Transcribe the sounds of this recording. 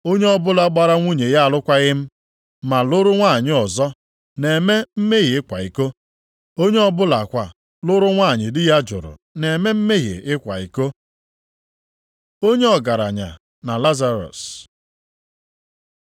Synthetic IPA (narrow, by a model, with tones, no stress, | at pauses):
o˦ɲe˦ɔ˦bʊ˦la˨ɡ͡ba˨ɾa˦ŋʷu˦ɲe˨ja˦a˨lʊ˦kʷa˦ɣɪ˦m̩˦ | ma˨lʊ˦ɾʊ˦ŋʷa˦˨ɲɪ˦ɔ˨zɔ˦ | ne˨me˦m̩˦me˦ɣi˨ɪ˦kʷa̰˨i˨ko˦ | o˦ɲe˦ɔ˦bʊ˦la˨kʷa˨ | lʊ˦ɾʊ˦ŋʷa˦˨ɲɪ˨dɪ˦ja˦d͡ʒʊ̰˨ɾʊ̰˨ne˨me˦m̩˦me˦ɣḭ˨ɪ˦kʷa̰˨ḭ˨ko˦ | o˦ɲe˦ɔ˨ɡa˨ɾa˨ɲa̰˨ | na˨la˦za˦ɾɔ̰˨s